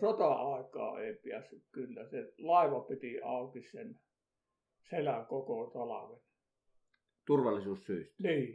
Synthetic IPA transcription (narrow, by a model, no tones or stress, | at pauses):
sot̪ɑɑˑekɑ̰ːḛˑipiæsːykkylːæselɑˑeʋɑpit̪iɑˑukissen | selæŋkokot̪ɑlɑʋen | t̪urʋɑlːˑisuːssyˑist̪niː